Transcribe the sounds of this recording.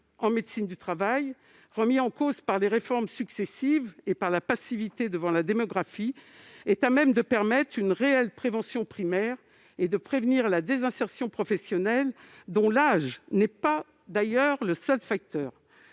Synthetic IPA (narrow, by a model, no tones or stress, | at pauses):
ɑ̃med̪sind̪yt̪χavaj | ʁəmiɑ̃kozpaʁleʁefɔʁmsyksɛsivepaʁlapasivit̪ed̪əvɑ̃lad̪emɔɡʁafiɛt̪amɛmd̪əpɛʁmɛt̪χynʁeɛlpχevɑ̃sjɔ̃pχimɛʁ | ed̪əpχevniʁlad̪ezɛ̃sɛʁsjɔ̃pχɔfɛsjɔnɛl | d̪ɔ̃laʒnɛpa | d̪ajœʁləsœlfak̚t̪œːʁ